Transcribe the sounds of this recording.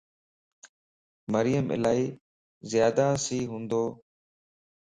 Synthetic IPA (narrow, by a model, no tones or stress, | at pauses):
məɾɪjəmʔɪ̰laːiː | zɪjaːd̪aːsiːɦũːnd̪oː